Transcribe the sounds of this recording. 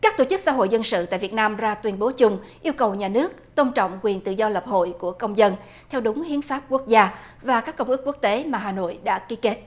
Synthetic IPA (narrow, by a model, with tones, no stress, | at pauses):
kaː˦˥k̚t̪o˧˩t͡ɕɨ˦˥k̚sa̰ː˧˦ɦo̰˧˨jzə˧nsɨ̰˧˨t̪a̰ː˧˨jvi˨˩t̚naː˧mzaː˧t̪wi˧ənɓo˨˦t͡ɕʊ˧ŋ͡mʔi˧əwkə˨˩wɲaː˨˩nɨ˦˥ək̚t̪ə˧wŋ͡mt͡ɕɔ̰˧˨wŋ͡mkwi˨˩ənt̪ɨ̰˧˨zɔ˧lə˨˩p̚ho̰˧˨jku˧˩əkə˧wŋ͡mzə˧n | t̪ʰɛ˧wɗʊ˨˦ŋ͡mhi˨˦ənfaː˦˥p̚ku˦˥ək̚zaː˧ | vaː˨˩kaː˦˥kːə˧wŋ͡mʔɨ˦˥k̚ːu˦˥ək̚t̪e˨˦maː˨˩ɦaː˨˩no̰˧˨jɗa̰ː˧˥ki˨˦ke˦˥t̚